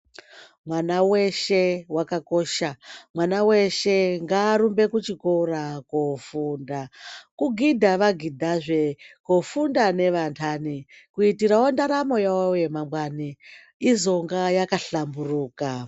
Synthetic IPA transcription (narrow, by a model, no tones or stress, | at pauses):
mwanaweʃewakako̞ʃamwanawe̞ʃe̞ŋɡaːɾumbe̞kut͡ʃikorakofundakuɡʱidʱaʋaɡʱidʱaʐe̞kofundane̞ʋantʰani | kuitiɾawondaɾamo̞jawojemamwani | izoŋɡajakaɬamburuːka